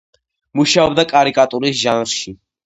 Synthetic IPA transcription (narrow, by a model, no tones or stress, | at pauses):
muʃaɔbd̪akʼaɾikʼat̪ʼuɾisʒanɾʃi